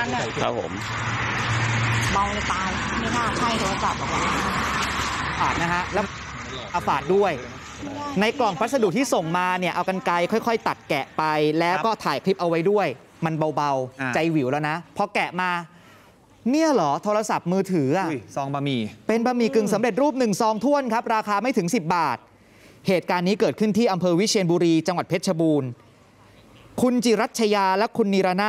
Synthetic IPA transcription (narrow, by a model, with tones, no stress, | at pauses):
a̰˦˥pʰːo̰˨˩˦m | ba˧wla˧˩t̪aː˧jmi˥˩t̪ʰaː˥˩k̪ʰa˥˩jt̪ʰoː˧ɾsa˨˩p̚a˨˩a˧a˥˩˨ʔa˧faː˨˩t̪̚na˦˥kʰa˦˥lɛ˦˥ | ʔa˧faː˨˩t̪̚du˥˩əj | na˧jklɔ˨˩ŋpʰɾa˦˥t̪̚sa˧du˨˩t̪ʰiː˥˩so˨˩ŋmaː˧ni˥˩ɐʔa˧wka˧nka˧jkʰɔ˥˩jkʰɔ˥˩jt̪a˨˩t̪̚kɛ˨˩ʔpa˧jlɛː˦˥wkɔː˥˩t̪ʰaː˩˦jkʰɾi˦˥p̚ʔa˧wːa˦˥jdu˥˩əj | ma˧nba˧wba˧wt͡ɕa˧jwi˨˩˦wlɔ˨˦na˦˥pʰɔ˧kɛ˨˩maː˧ | ni˥˩əlɔː˩˦t̪ʰoː˧ɾa˧sa˨˩p̚mɯː˧t̪ʰɯː˩˦ʔa˧˨˩sɔː˧ŋba˧miː˧˩pe˧nbaː˧miː˨˩kɯ˨˩ŋsa˨˩˦mɾe˨˩t̪̚ɾuː˥˩p̚nɯ˨˩ŋsɔː˧ŋt̪ʰu˥˩ənkʰa˦˥p̚ɾaː˧kaː˧ma˥˩jt̪ʰɯ˩˦ŋsi˨˩p̚baː˨˩t̪̚ | heː˨˩t̪̚kaː˧nːiː˦˥kɤː˨˩t̪̚kʰɯ˥˩nt̪ʰiː˥˩ʔa˧mpʰɤː˧wi˦˥t͡ɕʰi˧nbuː˧ɾiː˧t͡ɕa˧ŋwa˨˩t̪̚pʰe˦˥t̚t͡ɕʰa˧buː˧n | kʰu˧nt͡ɕi˨˩ɾa˦˥t̪̚t͡ɕʰa˧jaː˧lɛ˦˥kʰu˧nːiː˧ɾaː˧naː˥˩